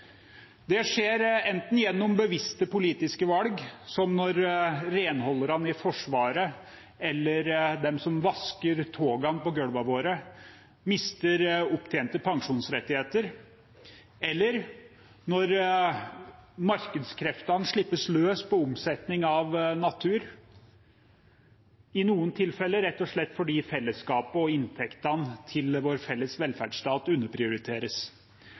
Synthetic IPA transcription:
d̪ɛʂeːɾɛnt̪n̩jɛnːɔmbəʋɪst̪əpʊliːt̪ɪskəʋɑlɡsɔmnɔɾːeːnhɔlːəɾɑnɪfɔʂʋɑːɾə | ɛlːəɾd̪ɛmsɔmʋɑskəɾt̪ʰoːɡɑnpɔɡœɽʋɑʋoːɾə | mɪst̪əɾʊpt̪ʰeːnt̪əpʰɑŋʂuːnsɾɛt̪ːɪheːt̪əɾ | ɛlːəɾ | nɔɾ | mɑɾkəd̪skʰɾɛft̪ɑnʂɭɪpːəsløːspɔʊmsɛt̪nɪŋɑʋnɑt̪ʰʉːɾ | ɪnuːənt̪ʰɪlfɛlːəɾɛt̪ːɔʂɭɛt̪ːfɔɖiːfɛlːəskɑːpəɔɪnt̪ʰɛkt̪ɑnt̪ʰɪlʋoːɾfɛlːəsʋɛlfæ̰ɖʂt̪ɑːt̪ʉnːəpʰɾɪʊɾɪt̪ʰeːɾəs

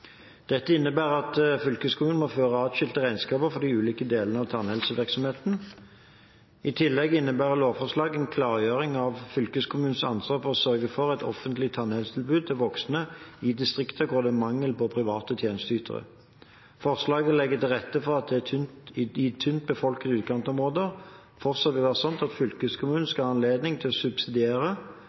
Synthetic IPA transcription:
d̪̥ɛt̪ːəɪnːəbæːʁɑt̪fʏlkəskʰʊmʉːnəmoːføːʁəɑːd̪ʃʏlt̪əʁæɪnskɑːpəfɔd̪iʉːliːkəd̪eːlənəɑʋt̪ʰɑnhɛlsəʋɪʁksɔmheːt̪n̩ | ɪt̪ʰɪlːɛɡɪnːəbæːʁəloːfɔʁʂlɑːɡɛnkʰlɑːʁjøːʁɪŋɑʋfʏlkəskʰʊmʉːn̩sɑnsʋɑːʁfɔʁɔsœʁɡəfɔʁɛt̪ʰɔ̰fənt̪ʰlɪt̪ʰɑnhɛlsət̪ʰɪlbʉːd̪̚t̪ʰɪlʋɔksnəɪd̪ɪst̪ʁɪkt̪ʰəɡʰoːd̪əmɑŋːəlpɔpʰʁɪʋɑːt̪ət̪ʰjeːnəst̪əyːt̪ʰə̰ʁə̰ | fɔʁslɑːɡəlɛɡːət̪ɪlʁɛt̪ːəfɔʁɑt̪̚d̪ɛæt̪ʰʏɪt̪ʰʏnt̪̚bəfɔlkəʉːt̪̚kʰɑnt̪ɔmʁoːd̪əʁ | fɔʁsɔt̪ʋɪʋɑːʁsɔnt̪ɑt̪fʏlkəskʰʊmʉːnn̩skɑhɑnleːd̪nɪŋt̪ʰɪlɔsʉbsɪd̪ɪeːʁə

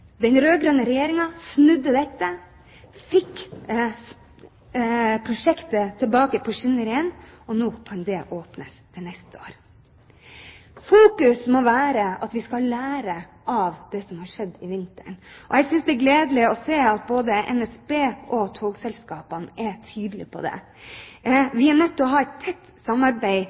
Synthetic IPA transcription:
d̪ɛnɾøːɡɾøːnəɾɛjeːɾɪŋɑsnʉd̪ːəd̪ɛt̪ːə | fɪkː | pʰɾʊʂɛkt̪ət̪ʰɪlbɑːkəpʰɔʂɪnəɾɪɛnɔnoːkʰɑnd̪ɛʔoːpnəst̪ʰɪlnɛst̪əoːɾ | fuːkʉsmɔʋæːɾəɑt̪ʋɪskɑlæːɾə | ʔɑʋd̪̥ɛsɔmhɑʂɛd̪ːɪʋɪnt̪ə̰ɳʔɔɛɡsʏnsd̪ɛɡleːd̪əlɪɔseːɑt̪̚boːd̪əʔɛ̰nɛsbeːʔɔt̪ʰoːɡsɛlskɑːpənʔɛt̪ʰyːd̪əlɪ̰pʰɔ̰d̪ɛ̰ | ʋɪæɳœt̪ːɔɦɑːɛɪt̪t̪ʰːɛt̪ː | sɑmːɑɾbæɪ

